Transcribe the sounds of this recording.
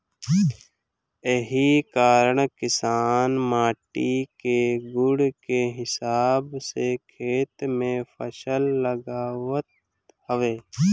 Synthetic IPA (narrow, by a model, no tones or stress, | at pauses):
əɦikaːɾəɽkɪsaːnmaːʈikeɡʊɽkeɦɪsaːbsekʰeːt̪mẽpʰəsəlːəɡaːwət̪̚ | həʋeː